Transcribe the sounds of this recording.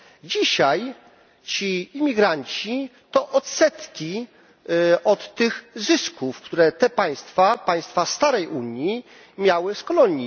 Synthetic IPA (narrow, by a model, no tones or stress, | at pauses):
d͡ʑiɕaj | t͡ɕiːmʲiɡɾaɲt͡ɕit̪ɔʔɔt̪sɛt̪kʲi | ɔt̪ːɘɣzɘskʰufkt̪uɾɛt̪ɛpaj̃st̪fapaj̃st̪fast̪aɾɛjuɲji | mʲjawɘskɔlɔɲi